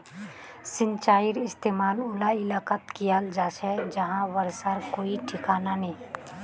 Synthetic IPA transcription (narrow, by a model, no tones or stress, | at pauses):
sɪ̃nt͡ʃaːɪɾɪst̪eːmaːlʊlaɪlaːkət̪kijald͡ʒaːʃɛd͡ʒɐɦãʋəɾsaɾkoːiʈʰɪkaːnanĩː